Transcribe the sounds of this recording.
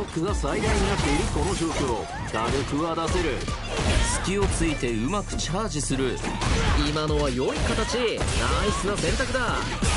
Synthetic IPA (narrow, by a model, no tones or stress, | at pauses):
okːɯ̟ɡasaid̪aĩɲːakt̪eiɾʲiko̞no̞ʑo̞ːkʲo̞o̰ | ɡ̥aɾɯ̟kɯ̟βad̪ase̞ɾɯ̟ | sɨ̥kʲio̞t͡sɨit̪e̞ɯ̟makɯ̟̥t͡ɕaːʑisɨɾɯ̟imano̞βajo̞ikat̪at͡ɕinaisɨnasẽ̞nt̪akɯ̟d̪a